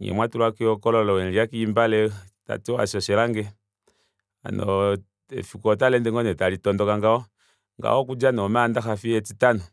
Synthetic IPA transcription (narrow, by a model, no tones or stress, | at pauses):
ɲɛ̰mwatuɾakiɔkɔlɔlɔɛɾiakiimbalɛta̰tiɔa̰sɔʃɛɾaŋɡɛ | a̰nɔ | ɛ̰fikɔtalɛndɛŋɡɔnɛtaɾitɔndɔkaŋɡaɔ | ŋɡa̰ɔkud͡ʒanɔmandaxafiɛtitanɔ